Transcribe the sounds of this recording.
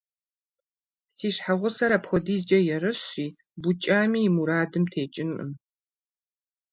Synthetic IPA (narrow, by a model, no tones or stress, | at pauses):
siːɕħaʁʷʊsɐɾapxʷɔdiːzd͡ʒʼɐjɛrɨɕiː | bʊt͡ʃʼaːmiːmuɾaːdɨmtʰeːt͡ʃʼɪnʔɨ̰m